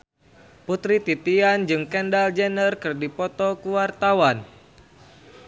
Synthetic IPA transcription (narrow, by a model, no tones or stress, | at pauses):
put̪ɾit̪it̪iand͡ʒɨŋkɛndald͡ʒɛnərkɨrdipɔt̪ɔkuwart̪awan